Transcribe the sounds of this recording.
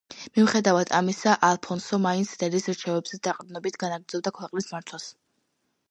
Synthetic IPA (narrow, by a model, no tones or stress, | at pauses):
mimχɛd̪avad̪amisaʔalˠpʰɔnsɔmainsɾɛɾisɾt͡ʃʰɛvɛbz̥ɛd̪aqʼd̪nɔbit̪ʰɡanaɡɾd̪zɔb̚d̪akʰwɛqʼlismaɾt̪ʰwas